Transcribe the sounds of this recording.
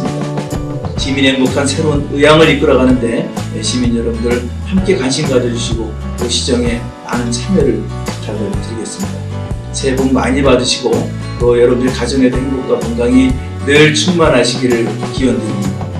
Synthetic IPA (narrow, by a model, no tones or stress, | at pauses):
mid | t͡ɕimineŋɡokʰansʰe̞ɾonɯjaŋɯɾik͈ɯɾaɣanɯnde̞eɕʰiminjʌɾʌmdɯɾɯɭ | hamk͈e̞kanɕʰimɡad͡ʑʌd͡ʑuɕʰiɡo | koɕʰid͡ʑʌŋe̞ | a̰nɯnt͡ɕʰamʌɾɯɭ | t͡ɕalːaɡotɯɾiɡe̞s͈ɯmɲida | sʰe̞boŋma̰ɲibadɯɕʰiɡo | ʌjʌɾʌmndɯɭkad͡ʑʌŋe̞deɦnɡok̚k͈wakoŋdaŋi | neɭt͡ɕʰuŋmanɦaɕʰiɡiɾɯɭkiʌndɯɾimɲida